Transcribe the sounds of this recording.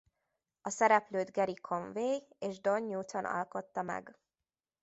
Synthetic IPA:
ɒsɛɾɛpløːd̪ɡɛɾikʰoɱveːj | eːʒd̪o̞ɲːuːt̪onʔɒ̰lko̞t̪ːɒmɛ̰ɡ

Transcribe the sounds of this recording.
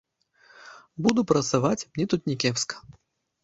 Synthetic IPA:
bud̪upɾɐt̪savat͡sʲmnʲɛt̪ut̪nʲɛkʲɛwskɐ̥

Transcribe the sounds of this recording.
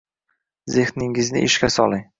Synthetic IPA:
zehnɪŋɪznɪ̰ʔɪʃkʲasɒ̰lˠɪŋ

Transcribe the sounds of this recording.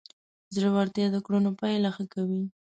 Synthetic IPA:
zləwaɾt̪jɑd̪əkɽunopajlaxakawi

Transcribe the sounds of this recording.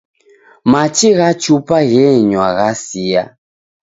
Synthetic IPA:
mat͡ʃiɣat͡ʃupaɣɛɲwaɣasia̰

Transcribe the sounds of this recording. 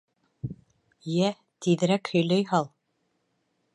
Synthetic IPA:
jæ | t̪iðɘ̆ɾækhɵ̆jlæjhɑlˠ

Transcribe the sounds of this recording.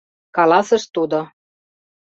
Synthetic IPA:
kɑlɑsɤ̆ʃt̪ud̪o

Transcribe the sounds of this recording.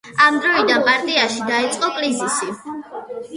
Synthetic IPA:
amd̪ɾɔid̪anpʼaɾt̪ʼiaʃid̪ait̪sʼqʼɔkʼlizisi

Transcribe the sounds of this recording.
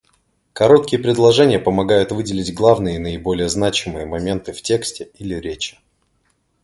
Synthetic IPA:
kɐɾo̞t̪kʲɪjəpɾʲɪd̪lˠɐʐɛnʲɪjəpəmɐɡajʊt̪vɨdʲɪlʲɪdʲɡlˠavnɨjəinəɪbo̞lʲɪjəznat͡ɕɪmɨjəmɐmʲe̞nt̪ɨftʲe̞ksʲtʲɪilʲɪɾʲet͡ɕɪ̥

